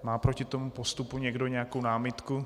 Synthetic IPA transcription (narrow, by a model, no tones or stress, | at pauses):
maːpɾocɪt̪o̞mupo̞st̪upuɲɛɡdo̞ɲɛakownaːmɪt̪ku